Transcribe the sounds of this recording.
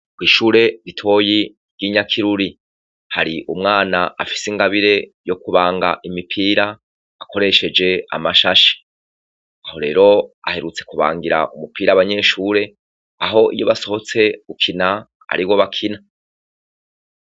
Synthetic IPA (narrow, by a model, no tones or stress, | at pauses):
ɡwiːʃuːɾe̞ɾitʰo̞ːji | ɾɡiɲakʰiɾuɾi | haɾiʔumŋaːnaʔa̰fi̥siŋɡaβiɾe̞jo̞kuβaːŋɡa̰ʔimipʰiːɾaː | ko̞ɾe̞ʃe̞d͡ʒe̞a̰maʃaʃe̥ | aho̞ɾe̞ːɾo̞a̰he̞ɾut͡se̞kuβa̰ːŋɡiɾa̰ʔumupiːɾaβaɲe̞ʃuːɾe̞ | aɦo̞ʔḭjo̞βaso̞ho̞t͡se̞ukʰina | a̰ɾiwo̞βakʰina